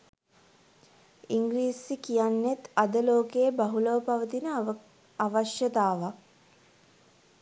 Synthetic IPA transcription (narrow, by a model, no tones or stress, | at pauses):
iŋɡliːsːikijanːet̪ad̪əloːkejəbaɦuləʋəpaʋət̪inə | aʋaʃjət̪aːʋak̚